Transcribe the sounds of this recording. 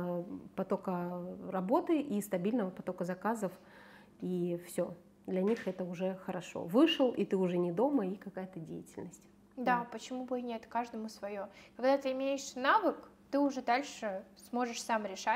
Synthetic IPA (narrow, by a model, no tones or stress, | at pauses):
pɐt̪o̞kərɐbo̞t̪ɨʔist̪ɐbʲilʲnəvəpɐt̪o̞kəzɐkazəf | ifsʲo̞ | d̪lʲɐnʲixɛt̪əʊʐɛxəɾɐʂo̰vɨʂɨlˠʔit̪ɨʊʐɛnʲɪd̪o̞məikɐkajət̪ədʲḛjɪtʲɪlʲnəsʲtʲ | d̪apət͡ɕɪmubɨnʲet̪kaʐd̪əmʊsvɐjokɐɡd̪at̪ɨɪmʲejɪʂnavɨkt̪ɨʊʐɛd̪alʲʂɨsmo̞ʐɨʂsamɾʲɪʂa